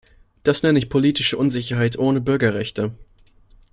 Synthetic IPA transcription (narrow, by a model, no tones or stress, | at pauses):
d̥asnɛnəɪçpʰoliːtɪʃəʔʊnzɪçɐɦaɪtʔoːnəbʏɐɡɐʁɛçtʰə